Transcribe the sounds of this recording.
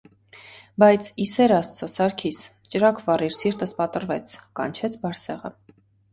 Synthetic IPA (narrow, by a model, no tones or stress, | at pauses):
bɑjt͡sʰisɛɾɑst̪t͡sʰɔsɑɾkʰist͡ʃəɾɑkʰvɑriɾsiɾt̪əspɑt̪əɾvɛt͡sʰkɑ̰nt͡ʃʰɛt͡sʰbɑɾsɛʁə̰